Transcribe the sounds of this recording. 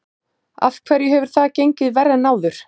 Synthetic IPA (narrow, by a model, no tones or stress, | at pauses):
a̰fkʰvɛɾjʏɦɛvʏɾ̥θaðcejɲcɪðvɛrːanaːwðʏɾ̥